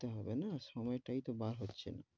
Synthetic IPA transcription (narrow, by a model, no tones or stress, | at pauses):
t̪eɦɔbenasɔmɔjeʈait̪ɔbaɾɦotːɕʰena